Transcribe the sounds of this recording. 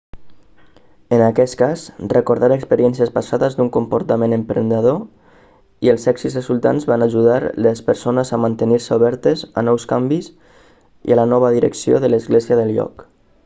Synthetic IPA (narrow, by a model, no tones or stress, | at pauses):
ənakɛskazrəkuɾðaɾəkspəɾiɛnsiəspasaðəzd̪uŋkumpuɾt̪əmenəmpɾənd̪əð̞o | iəlˠsɛksizrəzulˠt̪a̰nzβanaʒuðaɾləspəɾsonəzəmant̪əniɾsəuβɛɾt̪əza̰nɔwskambiz | ḭalənɔβ̞əðiɾə̰ksio̰ðələzɣleziəðəlʎɔ̰k